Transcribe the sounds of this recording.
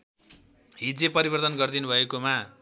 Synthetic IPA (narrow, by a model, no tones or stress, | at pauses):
ɦid͡zepʌɾibʌrt̪ʌnɡʌrd̪inubʱʌekoma